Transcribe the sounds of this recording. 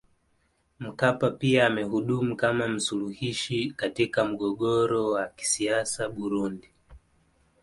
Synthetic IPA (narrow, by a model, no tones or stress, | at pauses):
m̩kapapiaːmɛhuɗumukamam̩suluhiʃikatikam̩ɠɔɠɔɾɔwaki̥siasaɓuɾundi